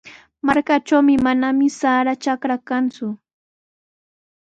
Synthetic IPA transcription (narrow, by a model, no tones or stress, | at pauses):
maɾkat͡ʃawmɪmanamɪsaɾat͡ʃakɾakant͡sʊ